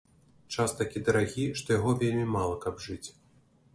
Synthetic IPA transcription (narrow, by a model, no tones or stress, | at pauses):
t͡ʂast̪akʲid̪ɐɾaɣʲiʂt̪ɔjaɣɔvʲelʲmʲimalˠɐkɐbʐɨt͡sʲ